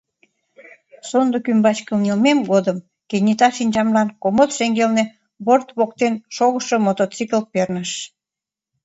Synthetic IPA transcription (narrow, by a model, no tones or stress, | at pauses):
sond̪okymbɑt͡ɕkəlnelmemɡod̪əm | kenʲit̪ɑʃinʲt͡ɕɑmlɑnkomot̪ʃeŋɡelne | βort̪βokt̪enʃoɣəʃomot̪ot͡sikəlpernəʃ